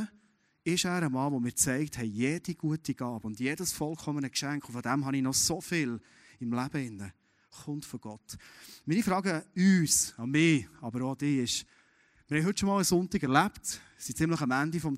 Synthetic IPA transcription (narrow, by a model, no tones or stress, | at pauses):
ɪʃæːɾəmɑːʋɔmɪːɾt͡sɛɪkthɛɪjɛd̥iɡ̥uətiɡ̥ɑːbʊndjɛdəsfɔlˠkʰɔmənəkʃæŋkχʊfɔd̪æmɦɑnɪnɔsofɪl | ɪmlæb̥əɪnːə | χʊntfɔɡ̥ɔtmiːnifɾɑːɡəyːsɑmɪːɑbəɾodɪɪʃ | mɪɾhɛjɦɵtːʃɔmɑːləsʊntɪɡɛɾlæptsit͡sɪmləχɑmændifɔm